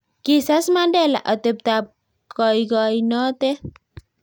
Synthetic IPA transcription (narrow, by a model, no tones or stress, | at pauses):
kisasmandɛla̰ʔɔt̪ep̚t̪ap̚ | kɔjɡɔjnɔt̪e